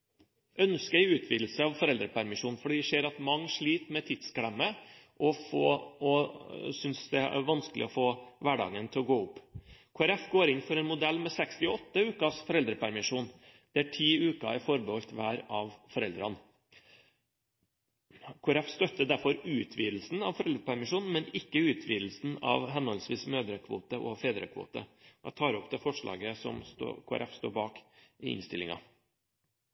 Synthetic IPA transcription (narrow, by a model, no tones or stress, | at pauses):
ʔœnskəɛɪʉːt̪ʰʋiːd̪l̩səɑʋfɔɾɛld̪ɾəpʰæɾmɪʂuːnfɔɖiːd̪ɛʂeːɾɑt̪mɑŋːʂɭiːt̪mɛt̪ʰɪd̪sɡɽɛmːəʔɔfo̰ːɔsʏnsd̪ɛæ̰ʋɑnskəlɪ̰ɔfoːʋæɖɑ̰ːɡənt̪ʰɪlɔɡoːʊpːkʰʊːæɾɛfɡoːɾɪnfɔɾɛnmʊd̪ɛlːmɛsɛkst̪ɪɔt̪ːəʉːkɑsfɔɾɛld̪ɾəpʰæɾmɪʂuːnd̪̥ɛæʈʰiːʉːkɑ̰æɾfɔɾbəhɔlt̪ʋæːɾɑʋfɔɾɛld̪ɾɑn | kʰʊæɾɛfst̪œt̪ːəd̪æɾfɔɾʉːt̪ʰʋiːd̪l̩sn̩ɑ̰ʋfɔɾɛld̪ɾəpʰæɾmɪʂuːnn̩mɛnɪkːəʉːt̪ʰʋiːd̪l̩sn̩ɑ̰ʋɦɛnɔlsʋiːsmøːd̪ɾəkʰʋo̰ːt̪əʔɔfeːd̪ɾə̰kʰʋo̰ːt̪ə̰ɑ̰t̪ʰɑːɾɔpd̪ɛːfɔʂɭɑ̰ːɡəsɔ̰mst̪o̰kʰʊæ̰ɾʔɛ̰fst̪o̰ːbɑːkɪɪ̰nst̪ɪlɪŋɑ̰